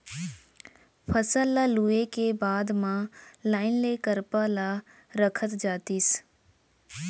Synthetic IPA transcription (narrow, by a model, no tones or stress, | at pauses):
pʰəsəlːaluekebaːd̪mãlaːɪnleːkəɾpala | ɾəkʰət̪d͡ʒaːt̪is